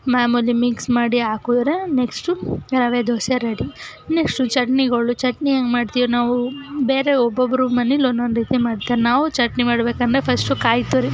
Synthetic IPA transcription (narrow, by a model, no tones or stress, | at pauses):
maːmulimiksmaːɽiaːkuːd̪ɾeneksʈuɾɐʋed̪oːsɐɾɐɽineksʈut͡ʃɐʈniɡɐɭut͡ʃɐʈnieŋɡmaːɽt̪iːjonaːʋubeːɾeɔbːɐbɐɾumɐnilonːonɾiːt̪imaːɽt̪aːɾnaːʋut͡ʃɐʈnimaːɽɐbeːkɐnd̪ɾepʰɐsʈukaːjt̪uːɾi